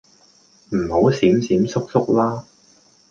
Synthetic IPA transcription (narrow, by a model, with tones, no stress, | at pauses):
m̩˨˩ho˨˥wsiː˨˥msiː˨˥msʊ˥k̚sʊ˥k̚laː˥